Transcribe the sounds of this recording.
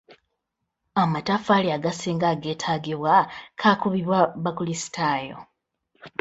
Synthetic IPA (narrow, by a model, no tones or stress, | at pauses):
amatafaliaɡasiːŋɡaɡe̞ːtʰaːɡiβwakʰaːkuβiβwaβakulisi̥tajo̰